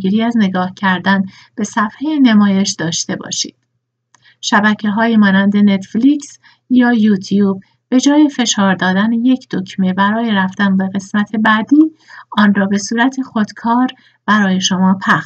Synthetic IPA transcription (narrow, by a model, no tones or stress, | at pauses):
iːɾiːæzne̞ɡɒːhcʰæɾd̪æn | b̥e̞sæfhejene̞mɒːje̞ʃd̪ɒːʃt̪e̞bɒ̰ːʃḭːd̪̥ | ʃæbæcʰeɦɒːjiːmɒːnænd̪e̞ne̞t̪fliks | jɒːjut̪ʰijuːb̚ː | e̞d͡ʒɒːjefe̞ʃɒːɾd̪ɒːd̪æneje̞cʰd̪̥o̞cʰme̞bæɾɒːjeɾæft̪ænbe̞ɣe̞smæt̪ʰe̞bæd̪iːɒːnrɒːbe̞suːɾæt̪ʰexo̞d̪̥kʰɒːɾ | b̥æɾɒːje̞ʃo̞mɒːpʰæ